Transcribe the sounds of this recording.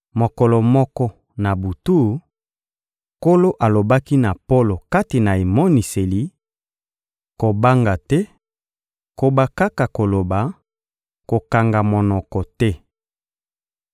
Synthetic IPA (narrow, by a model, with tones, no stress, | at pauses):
mo˨kɔ˨lɔ˨mɔ˦kɔ˦ | na˨bu˨tu˦ | ko˦lo˦ʔa˨lo˨ba˦ki˦na˨po˦lo˨ka˦ti˨na˨e˨mɔ˦ni˨se˨li˨ | ko˨ba˦ŋɡa˨tɛ˦ | ko˨ba˦ka˦ka˨ko˨lo˨ba˨ | ko˨ka˨ŋɡa˨mo˨nɔ˨kɔ˨tɛ˦